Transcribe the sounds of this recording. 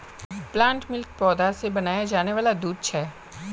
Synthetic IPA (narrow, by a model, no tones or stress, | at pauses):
plãːɳʈmɪlk̚pɔːd̪asebɐnaːjad͡ʒaːneʋaːlad̪uːd̪̚t͡ʃʰɛː